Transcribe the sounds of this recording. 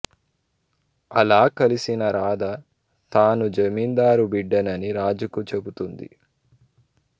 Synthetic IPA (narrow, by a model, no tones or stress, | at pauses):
ɐlaːkɐlisinɐɾaːd̪ɐ | t̪aːnud͡ʒɐmiːnd̪aːɾubiɖːɐnɐniɾaːd͡ʒukut͡ʃe̞but̪und̪ḭ